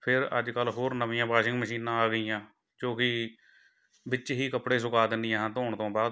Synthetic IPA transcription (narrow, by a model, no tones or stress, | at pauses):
pʰɪɾə̰d͡ʒkəlːɦoːɾnəʋɪjãːpaːʃɪ̃ŋɡməʃiːnãːaːɡəijãː | d͡ʒõːkɪ | bɪt͡ʃɦiːkəpɽeːs̬ʊkaːd̪ɪnd̪ɪjãːt̪oːɳt̪õːbaːd̪